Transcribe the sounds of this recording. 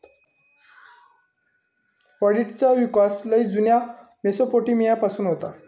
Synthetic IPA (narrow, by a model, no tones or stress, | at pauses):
pəɽiʈt͡saʋikasləid͡zunja | mesopoʈiːmijapasuːnɦot̪a